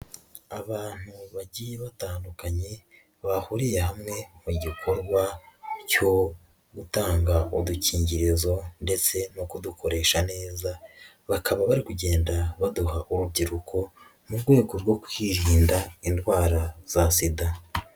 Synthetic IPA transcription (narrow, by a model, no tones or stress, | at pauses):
aβaːn̥huβaɟijeβataːndukaɲe̞ | βahuɾije̞ɦamŋe̞muɟikʰoɾɡwaco̞ | ɡutaːŋɡauduciːɲɟiɾezo̞nde̞t͡se̞nokuduko̞ɾe̞ːʃane̞ːza | βakʰaβaβaɾikuɟe̞ːndaβaduɦaʔuɾubɟiɾukʰo̞ | muɾɡwe̞ːɡo̞ɾɡwo̞kwiɾiːndaindwaːɾaz̥asida